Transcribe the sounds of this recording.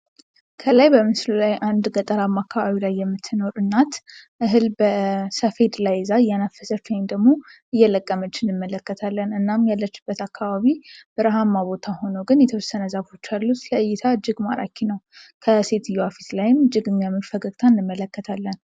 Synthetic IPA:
kʰəlajbəmɨslulajʔand̪ɡət̪ʼəɾamːakʰːaβaβilajːɛmːɨt̪ʰːɨno̞ɾɨnːat̪ | ʔɨɦɨlbəsəfe̞d̪lajzaɨjːanafːəsəfemd̪əɡmo̞ʔɨjːɛləkʼːəmət͡ʃːɪɨnːɨmːələkːət̪ʰalːənɨnːamjalːət͡ʃːɪbːət̪akʰːaβaβib̥əɾəɦamːaβbo̞t̪ʰaho̞nəɡɨnjɛt̪ʰəwɔsənəzafo̞t͡ʃːalːut̪ləɨjːɪt̪ʰaɨd͡ʒːɨɡma̰ɾa̰kʰinəwkʰəse̞t̪ʰɨjːuafi̥slajɪmɨd͡ʒːɨɡɨnjamːəfəɡəɡʼt̪ʰaɨnːɨmːələkːət̪ʰalːən

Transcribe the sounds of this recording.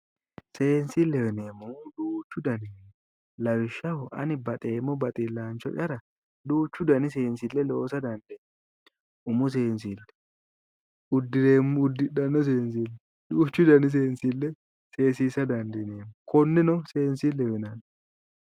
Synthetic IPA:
seːnsilːɛwɪneːmːʊd̪uːt͡ʃːʊd̪ɐneːmːʊ | lɐwɪʃːɐwɔʔɐ̰nɪbɐt̪ʼe̞ːmːɔbɐt̪ʼɪlːaːnt͡ʃːɔ̰ʔɐɾɐ | d̪uːt͡ʃːʊd̪ɐnɪse̞ːnsɪlːɛloːsɐd̪ɐnd̪e | ʔʊmʊs̬e̞ːnsilːɛ̥ | ʊd̪ːɪeːmʊd̪ːɪɗɐnːɔs̬eːns̬ilːɛ | duːt͡ʃːʊd̪ɐnɪs̬eːnsilːɛ | se̞ːsiːsɐd̪ɐnd̪ɛneːmʊkʰɔnːɛnɔseːnsilːɛwɛnɐn

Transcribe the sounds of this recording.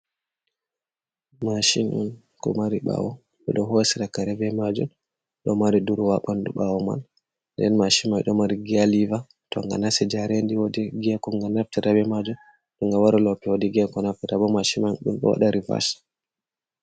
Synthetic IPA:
maʃinṵn | kɔ̰maɾiɓa̰wɔ | ɓɛ̰ɗɔɦosiɾakaɾɛbɛmad͡ʒum | ɗɔmaɾiduɾwaɓanduɓawɔma̰n | ndɛ̰nmaʃimajɗɔmaɾiɡialiva | tɔ̰ŋɡa̰nasɛd͡ʒaɾendiwodɛɡɛkɔŋɡanaftiɾabɛmad͡ʒum | ɗɔŋɡawaɾalɔpɛwodiɡɛkɔnaftɛtabɔmaʃimajɗumɗɔ̰wa̰ɗaɾiva̰ʃ

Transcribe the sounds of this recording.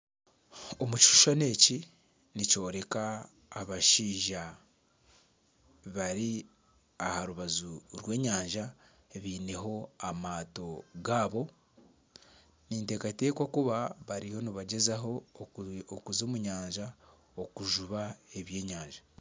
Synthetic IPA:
omuci̥ʃu̥ʃane̞ːci | nico̞ːɾe̞kaː | βaʃiːʒa | βaɾi | ahaɾuβazuɾwe̞ːɲaːɲʒa | eβiːne̞ɦo̞amaːto̞ɡaːβo̞ | niːnte̞ːkateːkwakuβaβaɾiho̞niβaɟe̞zaɦo̞ | okuzoːmuɲaːɲʒa | okuʒuβae̞βje̞ːɲaːɲʒa

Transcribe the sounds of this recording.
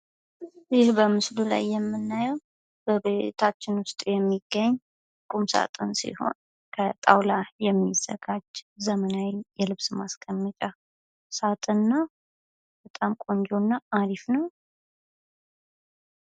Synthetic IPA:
zɪhbəmɨslula̰jːɛmːɨnːajɛw | b̥əbet̪ʰat͡ʃːɪnwʊst̪ʼjɛmːiɡ̥ːəɲː | kʼumsa̰t̪ʼɨnsḭho̞̰n | kʰət̪ʼawlajɛmːizə̰ɡad͡ʒzəmənawijɛlɨβsmaskʼəmːət͡ʃʼa | sat̪ʼɨnːa | b̥ət̪ʼamkʼo̞nd͡ʒonːaad̪ifnəw

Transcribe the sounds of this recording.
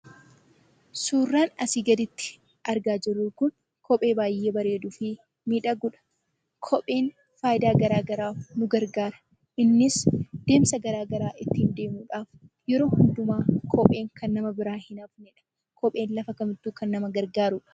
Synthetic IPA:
suːrːaːnɐsiːɡɐd̪ɪt̪ːɪ̥ | ɐɾɡaːd͡ʒɪrːuːkʊn | kʰɔpʼe̞ːbaːjːe̞ːbɐɾe̞ːd̪ufɪ | miːᶑɐɡʊᶑɐ̥ | kʰɔpʼe̞ːn | faːjɪd̪aːɡɐɾaːɡɐɾaːfnʊɡɐɾɡaːɾɐ̥ | ʔɪnːɪsd̪̥e̞ːmsɐɡɐɾaːɡɐɾaːʔɪt̪ːiːnd̪e̞ːmuːᶑaːf | jɛɾo̞ːhʊnd̪ʊmaːkʰɔpʼe̞ːŋkʰɐnːɐmɐbɪɾaːhɪnaːfnɪᶑɐ̥ | kɔpʼe̞ːnlɐfɐkɐmɪt̪ːuːkɐnːɐmɐɡɐɾɡaːɾʊᶑɐ̥

